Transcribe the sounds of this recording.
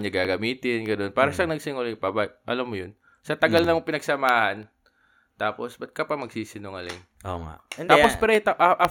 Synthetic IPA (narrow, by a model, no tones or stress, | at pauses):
nɐɡaːɡɐmiːt̪ɪnɡɐno̞npaːɾɐʃɐŋnɐɡ̚sɪŋʊljŋpɐbaʔɐ̰lɐmːojon | sɐt̪ɐɡalnɐŋpɪnɐɡsɐmaːhɐn | t̪aːposbɐt̪̚kɐpɐmɐɡsiːsɪnoŋɐlɪŋ | o̰ŋa̰ɛaːpospɛɾot̪ɐʔɐʔɐ